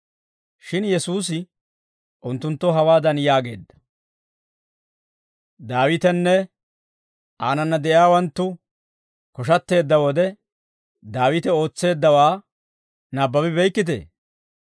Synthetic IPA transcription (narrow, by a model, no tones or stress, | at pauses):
ʃɪnjɛsuːs̬ɪ | ʔʊnt̪ːʊnt̪ːɔɦɐwaːd̪ɐnjaːɡe̞̰ːd̪ːɐ̥ | d̪aːwɪt̪ɛnːɛ | ʔaːnɐnːɐd̪ɛʔjaːwɐnt̪ːʊ | kɔʃɐt̪ːe̞ːd̪ːɐwɔd̪ɛ | d̪aːwɪt̪ɛo̞ːt͡sːe̞ːd̪ːɐwaː | nɐbːɐbɪbɛjkːɪt̪̬ḛː